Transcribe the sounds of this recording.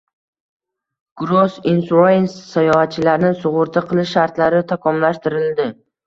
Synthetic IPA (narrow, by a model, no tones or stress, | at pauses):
ɡ̥ɾosinsɾojensːajɒhat̪̚t͡ʃʰɪlaɾnɪsʊʁʊɾt̪ʰaqʰɨlˠɪʃːaɾt̪laɾɪt̪ʰakʰɒmlaʃt̪ɪɾɪld̪ɪ